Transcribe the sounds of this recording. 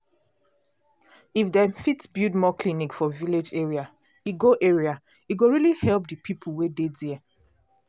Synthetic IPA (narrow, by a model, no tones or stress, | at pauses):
ifdɛfitsbjudmɔkʰlinikfɔviled͡ʒeɹia | iɡoʔeɹia | iɡoɹilihɛlp̚dəpʰipʰulˠwedediɛ